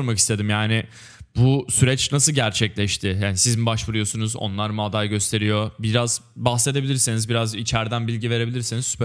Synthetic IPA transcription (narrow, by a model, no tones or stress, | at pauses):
ɾmaki̥st̪ʰe̞d̪imjaːnɪ | busyɾɛt͡ʃnasɯɟæɾt͡ʃʰɛclʲɛʃt̪ʰɪjaːnisizimbaʃvɯɾɯjo̞sunuzo̰nlˠaɾmuad̪ajɟø̞st̪ʰe̞ɾijo̞biɾazbaxse̞d̪ebilʲiɾsinizbiɾazit͡ʃʰæɾd̪ænbilʲɟive̞ɾe̞bilʲiɾsinizsy̥p